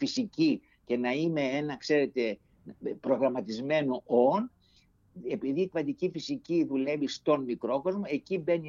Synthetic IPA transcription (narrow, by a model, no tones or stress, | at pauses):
fisici | ce̞nɐime̞e̞nɐkse̞ɾe̞t̪e̞ | pɾo̞ɣɾɐmɐt̪izme̞noʔo̞n | e̞piðiːkpɐd̪icifisiciðule̞vist̪o̞nmikɾo̞ko̞zmo̞e̞cibe̞ni